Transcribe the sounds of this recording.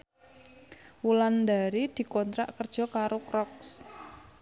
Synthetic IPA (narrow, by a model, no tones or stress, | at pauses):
wuland̪aɾid̪̥i̤kɔnt̪ɾa̰ʔkərd̥ʒ̥ɔ̤kaɾokɾɔks